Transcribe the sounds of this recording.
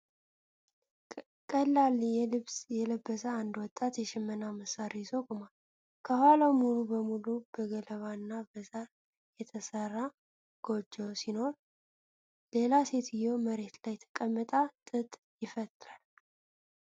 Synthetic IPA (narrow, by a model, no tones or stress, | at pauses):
kʼəlːalːjɛlɨβsjɛləbːəsəand̪wɔt̪ʼːat̪jɛʃɪmːənaməsaɾijzokʼumal | kʰəhalawmolubəmulubəɡələβanːabəza | jɛt̪ʰəsərːa | ɡ̥o̞d͡ʒːəwsino̞ɾ | le̞lase̞t̪ɪjoməɾe̞t̪lajt̪ʰə̥kʼəmːət̪ʼat̪ʼɨt̪ʼ | jɪfət̪ʼːɨɾal